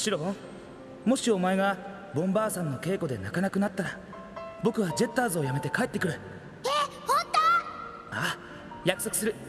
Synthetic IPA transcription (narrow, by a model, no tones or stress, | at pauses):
ɕiɾõ | mo̞ɕio̞mae̞ɡa | bõ̞mbaːsãnːo̞ke̞ːko̞d̪e̞̰nakanakɯ̟nat̪ːaɾa | bo̞kɯ̟βad͡ʑe̞t̪ːaːzɨo̞jame̞t̪e̞kaet̪ːe̞kɯ̟ɾɯ̟ | ehõnt̪o | aː | jakɯ̟̥so̞kɯ̟sɨɾɯ̟